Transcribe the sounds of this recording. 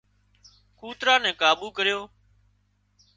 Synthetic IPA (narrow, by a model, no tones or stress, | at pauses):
kuːt̪ɾãːnɛ̃ːkaːɓuːkəɾjoː